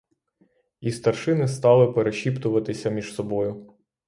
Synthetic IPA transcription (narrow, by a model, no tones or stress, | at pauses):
ist̪ɐrʃɪnɪst̪ɑlˠɪpeɾeʃʲipt̪ʊʋɐt̪ɪsʲɐmʲiʒsɔbɔjʊ